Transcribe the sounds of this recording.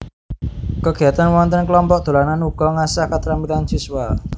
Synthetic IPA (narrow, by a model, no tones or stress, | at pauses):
kəɡ̥iat̪anwɔnt̪ənkəlɔmpɔk̚d̪̥o̤lananuɡ̥ɔŋasahkat̪ɾambilansiswal